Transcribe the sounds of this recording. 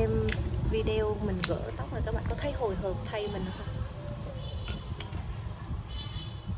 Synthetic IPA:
e˧mvi˧ɗe˧o˧mï˨˩ŋ̟ɣə̰ː˧˥t̪a˦˥k͡p̚ə˨˩kaː˦˥kɓ̰ːkɔ˨˦t̪ʰa˧jho˨˩jɦəː˨˩p̚t̪ʰa˧jmï˨˩ŋ̟ʔə˨˥˦xa˧˦

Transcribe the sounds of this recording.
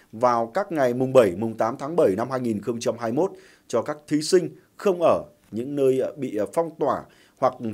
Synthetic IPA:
vaː˨˩wkaː˦˥k̚ŋa˨˩jmʊ˨˩ŋ͡mɓə˧˩jmʊ˨˩ŋ͡mt̪aː˨˦mt̪ʰaː˨˦ŋɓə˧˩jna˧mɦaː˧jŋi˨˩nxə˧wŋ͡mt͡ɕa˧mhaː˧jmo˦˥t̚ | t͡ɕɔ˧kaː˦˥k̚t̪ʰi˨˦sï˧ŋ̟ | xə˧wŋ͡mʔəː˧˩ | ɲɨ̰˧˥ŋnəː˧jɓḭ˧˨fa˧wŋ͡mt̪waː˧˩ | hwa˨˩k̚

